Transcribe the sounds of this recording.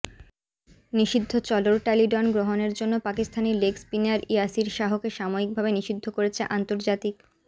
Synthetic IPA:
niʃid̪ʱːot͡ɕɔloɾʈaliɖɔnɡɾoɦoneɾd͡ʑonːopakist̪ʰanilekspinaɾiasiɾʃaɦokeʃamoik̚bʱabeniʃid̪ʱːokoɾet͡ɕʰeʔant̪oɾd͡ʑat̪ik

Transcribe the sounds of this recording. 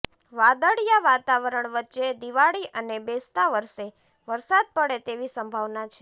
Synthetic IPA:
ʋad̪əɽjaʋat̪aʋəɾəɳʋətːʃed̪iʋaɭiʔənebest̪aʋəɾʃe | ʋəɾsad̪̚pəɽet̪eʋisəmbʱaʋnat͡ʃʰe

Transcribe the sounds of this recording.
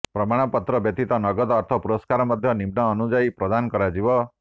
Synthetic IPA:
pɾɔmaɽ̃ɔpɔt̪ɾɔbjɔt̪it̪ɔnɔɡɔd̪ɔːɾt̪ʰɔpuɾɔskaɾɔmɔd̪ʱjɔnibnɔːnud͡ʒaipɾɔd̪ankɔɾad͡ʒiβɔ

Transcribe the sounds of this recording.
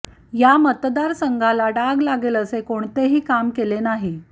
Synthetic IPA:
jamət̪d̪aɾsəŋɡʱalaɖaɡlaɡeləsekoɳt̪eɦiːkamkelenaɦi

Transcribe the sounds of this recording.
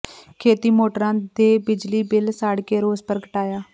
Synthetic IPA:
kʰeːt̪iːmoːʈəɾãːd̪eːbɪd͡ʒliːbɪlsaːɽkeːɾoːzpəɾɡəʈaːjaː

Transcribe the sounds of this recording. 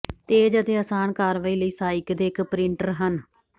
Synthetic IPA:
t̪eːd͡ʒət̪eːəsaːnkaːɾʋaːiːləiːsaːɪkd̪eːɪkpɾɪɳʈəɾɦən

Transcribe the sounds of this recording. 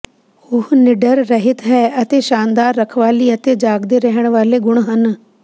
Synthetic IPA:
ʊhnɪɖəɾːəɦɪt̪ɦɛːət̪eːʃãːnd̪aːɾːəkʰʋaːliːət̪eːd͡ʒaːɡd̪eːɾɛɦəɳ̃ʋaːleːɡʊɽ̃ɦən

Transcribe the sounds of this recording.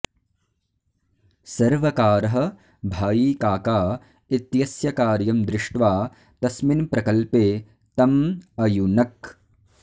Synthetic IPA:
sɐɾʋɐkaːɾɐɦɐ̆ | bʱaːjikaːkaː | it̪jɐsjɐkaːɾjɐmd̪ɾɪʂʈʋaː | t̪ɐsminpɾɐkɐlpeː | t̪ɐmɐjunɐk

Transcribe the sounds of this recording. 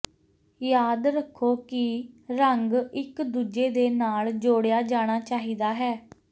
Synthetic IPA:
jaːd̪ɾəkʰːoːkɪɾəŋɡɪkd̪uːd͡ʒeːd̪eːnaːld͡ʒoːɽejaːd͡ʒaːɽ̃aːt͡ʃaːɦiːd̪aːɦɛː

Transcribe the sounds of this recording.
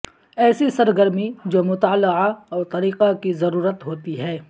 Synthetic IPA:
ɛːsisɐɾɡəɾmid͡ʒoːmʊt̪aːləaɔːɾt̪ɐɾiːqakizɐɾuːɾət̪ɦoːt̪iɦɛː

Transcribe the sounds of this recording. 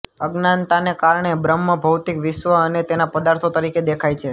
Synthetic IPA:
əɡnant̪anekaɾɳ̃ebɾəmːəbʱəwt̪ikʋɪʃʋəənet̪enapəd̪aɾt̪ʰot̪əɾiked̪ekʰajt͡ʃʰe

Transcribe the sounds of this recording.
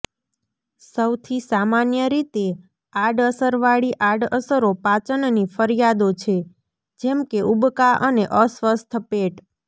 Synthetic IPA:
səwt̪ʰisamanjəɾit̪e | aɖəsəɾʋaɭiʔaɖəsəɾopat͡ʃənnifəɾijad̪ot͡ʃʰe | d͡ʒemkeʔubkaəneʔəsʋəst̪ʰpeʈ

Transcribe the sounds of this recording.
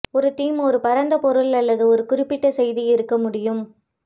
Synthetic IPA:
ɔɾɯʈ̪iːmɔɾɯpɐɾɐnd̪ɐpɔɾɯɭɐlːɐðɯɔɾɯkʊɾɪpːɪʈːɐsɛjðiɪɾɯkːɐmʊɽɪjɯm

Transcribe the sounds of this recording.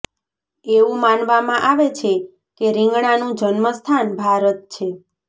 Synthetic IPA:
eũmanʋamãʔaʋet͡ʃʰe | keɾĩŋɡɳanũd͡ʒənməst̪ʰanbʱaɾət̪̚t͡ʃʰe

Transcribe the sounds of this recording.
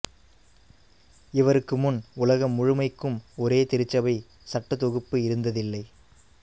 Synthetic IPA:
ɪʋɐɾɯkːɯmʊnʊlɐɣɐmːʊɻʊmɐɪkːɯmɔɾeːt̪ɪɾɯt͡ʃːɐʋɐɪ | sɐʈːɐt̪ɔɣɯpːɯɪɾɯnd̪ɐðɪlːɐɪ

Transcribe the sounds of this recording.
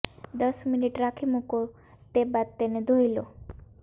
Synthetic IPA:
d̪əsminiʈɾakʰimuko | t̪ebad̪̚t̪ened̪ʱojlo

